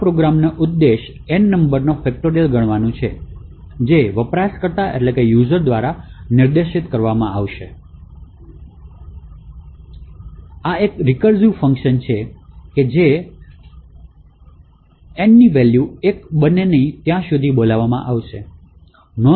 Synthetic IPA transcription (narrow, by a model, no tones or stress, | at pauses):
pɾoɡɾamnaʔud̪ːeʃ | enːəmbəɾnofɛk̚ʈoɖelɡəɳ̃ʋanũt͡ʃʰe | d͡ʒeʋəpɾaskəɾt̪aʔḛʈlekejuzəɾd̪ʋaɾanɪɾd̪eʃit̪kəɾʋamãaʋʃe | aekɾɪkəɾzjufəŋkʃənt͡ʃʰeked͡ʒe | nːiʋɛljuek̚bənenəĩt̪jãsud̪ʱibolaʋamã̰ʔaʋʃe | nɔ